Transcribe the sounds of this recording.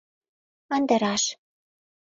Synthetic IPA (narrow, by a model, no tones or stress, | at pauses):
ɤ̆nd̪ə̆ɾɑʃ